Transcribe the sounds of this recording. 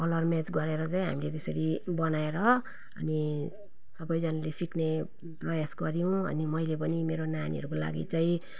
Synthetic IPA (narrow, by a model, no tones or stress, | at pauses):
kʌlʌrmet͡sɡʌɾeɾʌt͡saĩɦa̰milet̪esʌɾibʌnaeɾʌ | ʌ̰ni | sʌbʌjd͡zʌnalesikne | prʌjasɡʌɾijw̃ʌ̰nimʌjlep̬ʌnimeɾonanḭɦʌ̰ɾukola̰ɡḭt͡saĩ